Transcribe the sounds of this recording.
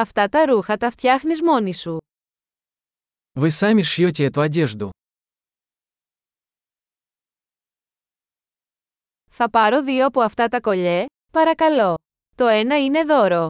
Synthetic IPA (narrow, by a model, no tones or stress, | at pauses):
ɐft̪ɐt̪ɐɾuxɐt̪ɐft̪çɐxnizmo̞nisu | vɨsamʲɪʂjot̬ʲeɛt̪uɐdʲeʐd̪ʊ̰ | θɐpɐɾo̞ðioɐpo̞ɐft̪ɐt̪ɐko̞ʎe | pɐɾɐkɐlo̞ | t̪o̞e̞nɐine̞ðo̞ɾo̞